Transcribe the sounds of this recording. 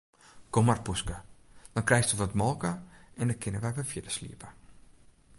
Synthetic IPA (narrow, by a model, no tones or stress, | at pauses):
komarpuskəd̥ɔnkrɛjstəʋɔtmɔlˠkəɛndəkʰɪnəʋɛjʋɛfjɪdəslḭəpə